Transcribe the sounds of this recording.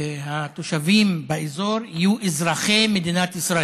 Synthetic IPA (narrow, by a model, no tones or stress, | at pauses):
hat̪oʃavimbaezoɾhijuʔizɾaχemed̪inat̪isɾa